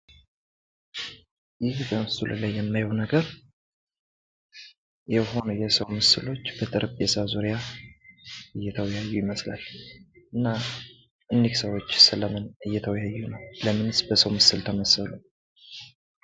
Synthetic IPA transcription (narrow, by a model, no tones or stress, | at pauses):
jɪhbəmɨsɨlɨ̰lajːɛmːajəwnəɡəɾ | jɛho̞nujɛsəwmɨsɨlo̞t͡ʃːb̥ət̪ʼɨɾbesazuɾija | ɨjːɛt̪ʰəwjajːujɪməsla̰l | ʔɨnːa | ʔɨniksəwo̞t͡ʃːsɨləmɨnɨjːɛt̪ʰəwjajːunəwləmɨnɨsbəsəwmɨsɨlt̪ʰəməsəlu